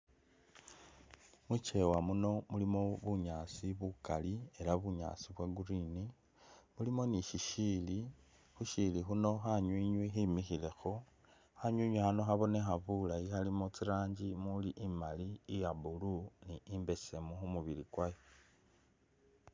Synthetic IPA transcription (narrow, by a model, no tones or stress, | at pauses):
mut͡ʃe̞wamuno̞mulimo̞βuɲaːt͡siβukalie̞laβuɲa̰ːt͡siβwaɡuɾini | mulimo̞niʃiʃiːli | xuʃilixuno̞xaɲwiːɲwiximixile̞xo̞ | haɲuɲwixano̞xaβo̞ne̞xaβulajixalimot͡siɾaːɲd͡ʒimuliʔimaliːjabuluniːmbe̞se̞muxumuβilikwajo